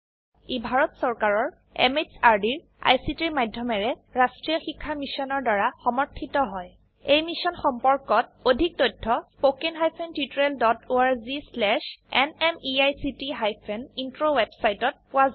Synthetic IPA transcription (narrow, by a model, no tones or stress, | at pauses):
ibʱaɹɔtsɔɹkaɹɔɹ | ɛ̰mesaɹdiɹ | a̰jsitiɹmajdʱjɔmɛɹɛɹastɹiɔxikʰːamisɔnɔɹdaɹaxɔmɔɹtʰːitɔɦɔj | ejmisɔnxɔmpɔɹkɔt̚odʱik̚tɔjtʰːɔpokenɦajpʰentutɹeldɔtoaɹzislɛʃɛnɛmiajsitiɦajpʰɛnintɹowɛbsajtɔt̚pʊwaz